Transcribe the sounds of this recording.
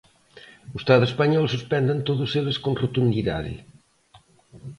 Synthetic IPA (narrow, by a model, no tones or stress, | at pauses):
ust̪aðespaɲɔlˠsuspɛnd̪ant̪oðuseβeskonrut̪und̪iða̰ðḭ